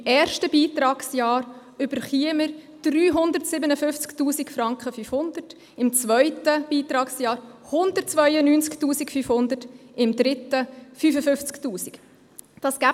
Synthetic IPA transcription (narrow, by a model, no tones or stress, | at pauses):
ɛːɾʃtəbiːt̪ɾɑːksjɑːɾ | ʏb̥əɾχiəməɾ | d̥ryːɦʊndəɾtsɪbənəfʏft͡sktuːsikfɾɑŋkχəfyfhʊndət | ɪmt͡svœʏtəb̥iːtɾɑːksjɑːɾhʊndət̚t͡svœʏənyːnt͡sktuːsikfyfhʊnd̪ətɪmd̪ɾɪtəfyːfəfʏft͡sktuːsik | d̥ɑsɡ̥æ